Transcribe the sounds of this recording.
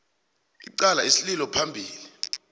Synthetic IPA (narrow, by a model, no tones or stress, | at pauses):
ḭǃalaesililɔpʰambʱiːli